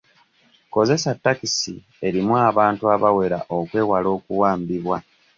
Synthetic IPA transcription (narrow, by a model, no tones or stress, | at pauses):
ko̞ze̞satːakisi | e̞ɾimwaːβaːntuaβawe̞ɾa̰ʔokwe̞ːwalo̞ːkuwaːmbiβwa